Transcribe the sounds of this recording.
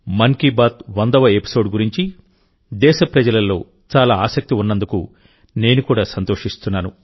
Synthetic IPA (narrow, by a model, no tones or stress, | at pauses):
mɐŋkibaːt̪ʋɐnd̪ɐʋɐepi̥so̞ːɖɡuɾiɲt͡ʃi | d̪ɛːʃɐpɾɐd͡ʒɐlɐlːo̞̰ː | t͡ʃaːlaːaːsɐk̚t̪iunːɐnd̪ukṵ | ne̞ːnukuːɽaːsɐnt̪oːʂist̪unːaːnu